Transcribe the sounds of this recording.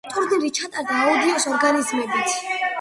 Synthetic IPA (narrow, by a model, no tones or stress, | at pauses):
t̪ʼuɾd̪iɾit͡ʃʰat̪ʼaɾd̪aːud̪iɔsɔɾɡanizmɛbit̪sʰ